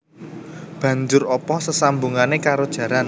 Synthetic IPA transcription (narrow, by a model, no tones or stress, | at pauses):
b̥ä̤ɲd͡ʒʊrɔpɔsəsambuŋanekaɾod̥ʒ̥ä̤ɾan